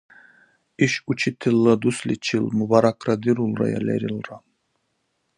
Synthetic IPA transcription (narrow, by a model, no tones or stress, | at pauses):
iʃut͡ʃʰit̪ʰilːɐd̪uslḭt͡ʃʰilmubaɾakʰɾad̪iɾulˠɾa̰ja̰lɛ̰ɾilra